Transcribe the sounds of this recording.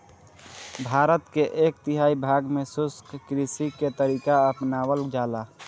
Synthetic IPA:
bʱaːɾət̪keʔeːk̚t̪ɪɦaːibʱaːɡmẽsʊskkɾisiket̪əɾiːkaəpnaːwəld͡ʒaːla

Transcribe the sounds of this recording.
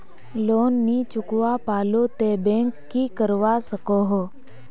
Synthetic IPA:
loːnːit͡ʃʊkʋapaːloːt̪eːbẽːŋkːiːkəɾʋasəkoɦoː

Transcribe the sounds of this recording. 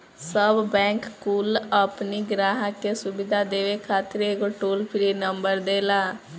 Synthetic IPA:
səbːɛ̃ːŋkkuːləpniɡɾaːɦakesʊbɪd̪ʱad̪eːʋekʰaːt̪ɪɾeːɡoʈoːlpʰɪɾinəmbəɾd̪eːlaː

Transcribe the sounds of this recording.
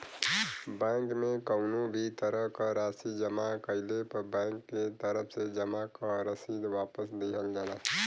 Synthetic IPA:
bɛ̃ːŋkmẽkəʊnõbʱit̪əɾəɦkaɾaːsid͡ʒəmakəɪlepəbɛ̃ːŋkːet̪əɾəfʰsed͡ʒəmakaɾəsiːd̪ʋaːpəsd̪eɦəld͡ʒaːnaː

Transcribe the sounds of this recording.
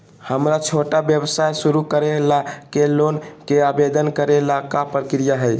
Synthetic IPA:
həmɾat͡ʃʰoʈabjəbsajsuɾukəɾelakelonkeabed̪ənkəɾelakapɾəkɾijaɦəj

